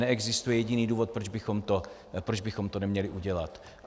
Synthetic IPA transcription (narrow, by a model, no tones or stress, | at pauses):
ɛɛɡzɪst̪ujɛjɛɟɪniːduːvot̪̚pɾod͡ʒbɪxo̞mt̪o̞ | pɾod͡ʒbɪxomt̪onɛmɲɛlɪʔuɟɛlat̪